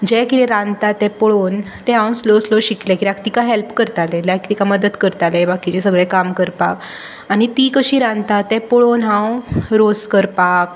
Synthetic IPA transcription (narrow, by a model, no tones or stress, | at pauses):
d͡ʑɛkit̪ẽɾãnt̪at̪ːɛ̃poɭoːn | t̪ɛ̃ɦãwnslosloɕiklɛkiɾakt̪ikaɦelpkəɾt̪alɛlakt̪ikaməd̪ət̪kəɾt̪alɛbakit͡ɕɛsəɡɭɛkamkəɾpak | añit̪ikəɕiːɾãnt̪at̪ːɛ̃poɭonɦãwɾoskəɾpak